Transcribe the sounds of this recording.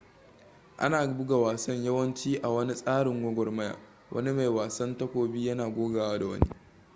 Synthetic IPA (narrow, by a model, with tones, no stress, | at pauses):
ʔa̰˦naː˨bʊ˦ɡa˨waː˨sɐ˦ɲjɐ˦wɐ˦nt͡ʃiː˦ʔa˨wɐ˦ni˦sʼaː˦ɽɪ˨ŋɡʷɔ˦ɡʷɔ˨rmɐ˦ja̰ː˨ | wʔɐ̰˦ni˦ma˨jwaː˨sɐ˦ntɐ˦kʷoː˨bi˦jɐ˦naː˨ɡʷoː˦ɡaː˨waː˦da˨wɐ̰˦nḭ˦